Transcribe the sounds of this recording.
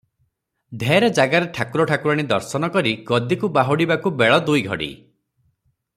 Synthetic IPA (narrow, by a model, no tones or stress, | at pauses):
d̪ʱeɾɔd͡ʒaɡaɾeʈʰakuɾɔʈʰakuɾaɽ̃id̪ɔɾsɔnɔkɔɾiɡɔd̪ikubaɦuɽibakubeɭɔd̪ujɡʱɔ̰ɽḭ